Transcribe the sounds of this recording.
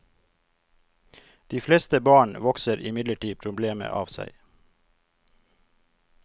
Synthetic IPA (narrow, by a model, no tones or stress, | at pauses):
d̪̥iːfleːst̪əbɑːɳʋɔksəɾʔɪmɪd̪ləʈiːpʰɾʊbleːmə̰ʔɑ̰ːʋsæ̰ɪ